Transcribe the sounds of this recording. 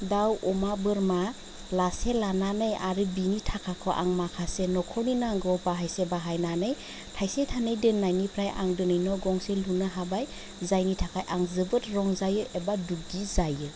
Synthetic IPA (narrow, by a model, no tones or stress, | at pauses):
dawʔɔmabɯɾma | laselananɯjaɾɯbinitʰakʰakʰɔʔa̰ŋmakʰasenɔkʰɔninaŋɡɔbaɦajsebaɦajnanɯj | tʰajsetʰanɯjdɯnnːajnipʰɾajʔa̰ŋdɯnɯjnɔɡɔŋselunaɦabaj | zajnitʰakʰajʔaŋzɯbɯtɾɔŋzajɯʔebaduɡɡizajɯ